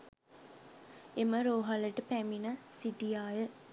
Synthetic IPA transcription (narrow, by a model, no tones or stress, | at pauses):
eməɾoːɦaləʈəpæminəsiʈijaːjə